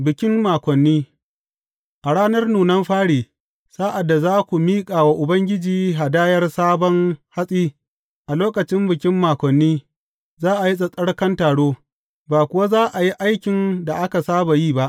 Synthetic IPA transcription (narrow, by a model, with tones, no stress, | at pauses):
bɪ˨kʲɪ˦mmaː˨kʷɔ˨nːiː˦ | ʔa˨ɽaː˦nɐ˦rnuː˨nɐ˦mɸaː˦ɽiː˨ | saː˦ʔa˨dːa˨zaː˦kʷu˨miː˦kʼaː˨wa˦ʔʊ˨bɐ˦ŋɡʲɪ˦d͡ʒiː˨ɦa˨daː˦jɐ˦rsaː˦bɔ˦ŋha˦sʼiː˦ | ʔa˨loː˦kɐ˨t͡ʃɪ˦mbɪ˨kʲɪ˦mːaː˨kʷɔ˨nːiː˦ | zaː˦ʔa˨ji˦s̬ʼɐ˨sʼɐ˦ɽkɐ˦ntaː˨ɽoː˦ | baː˨kʷʊ˨wa˦zaː˦ʔa˨ji˦ʔa˦jkʲɪ˨nda˨ʔa˦ka˨saː˦ba˨jiː˦ba˦ʔ